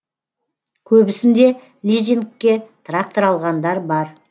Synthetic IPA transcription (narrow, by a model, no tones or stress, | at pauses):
kʲʰɵbɪsɪnd̪e̞ | lʲizʲinkʲːet̪ʰrak̚t̪oɾɑlˠʁɑnd̪ɑɾbɑɾ